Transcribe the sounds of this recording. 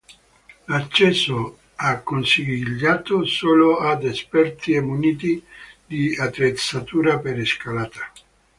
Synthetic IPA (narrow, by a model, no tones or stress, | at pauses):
lat͡ʃːɛso | akːonsiɡʎːaːt̪osoːload̪espɛrt̪iemːuniːt̪id̪iat̪ɾet̪sat̪uːɾapeɾeskalaːt̪ḁ